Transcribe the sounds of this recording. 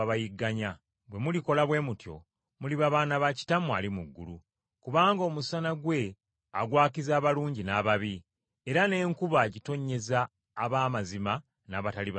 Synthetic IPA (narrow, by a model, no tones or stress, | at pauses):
βajiɡːaɲa | bwe̞muliko̞laβwe̞mutjo̞̰ | muliβaβaːnaβaci̥tamwa̰limuɡːṵlu | kuβaːŋɡoːmusanaɡwe̞ | aɡwaːkizaːβaluːɲɟinaβaβi | eɾane̞ːŋkuβaɟito̞ɲːe̞zaː | βaːmazima | naːβataliβ